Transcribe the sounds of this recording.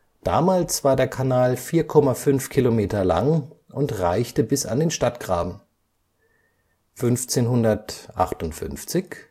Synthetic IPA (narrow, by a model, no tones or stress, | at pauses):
d̥a̰ːmaːlsv̥aːɐdeːɐkʰanaːlfiːɐkʰɔmafʏnfkʰilomeːtɐla̰ŋʔʊntʁaɪçtəbɪsa̰ndeːnʃtatɡ̥ʁaːbm̩ | fʏnft͡seːnɦʊndɐtʔa̰χtʊntfʏ̰nft͡sɪç